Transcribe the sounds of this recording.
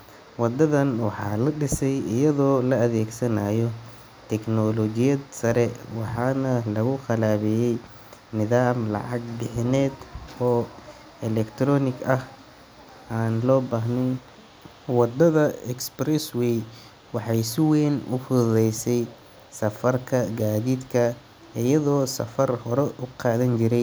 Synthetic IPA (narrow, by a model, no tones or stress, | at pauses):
wɑd̪ɐðɐnwɑħɑ̰ːlɐɖɪsɛjɪjɐðɔːlɐːðɛːɡsɐnaːjɔ | t̪ʰɛknɔlɔt͡ʃɪjɐd̪sɐɾɛwɑħɑːnɐlɐɣʊxɑlaːβɛjɛj | nɪðaːmlɑ̰ʕɑɡ̚ɖɪħnɛːd̪ɔː | ɛlɛkt̪ʰɾɔːnɪɡɐh | ʔaːnlɔːbaːɦnɛjn | wɑd̪ɐðɐɛksprɛswɛj | wɑħɑjsɪwɛːnʊ̰fʊððɛjsɛj | sɐfɐrkʰɐɡaːðiːd̪kʰɐ | ɪjɐðɔːsɐ̰fɐrhɔɾɛʔʊqɑːðɐnt͡ʃɪɾɛj